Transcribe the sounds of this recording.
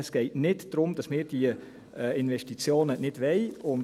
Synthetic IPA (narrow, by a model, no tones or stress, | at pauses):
ɛsɡ̥ɛɪtnɪtd̥ɾʊmd̥ɑsmɪːd̥iə | ɛːɪnvɛʃtit͡sjoːnənɪdʋɛɪʊn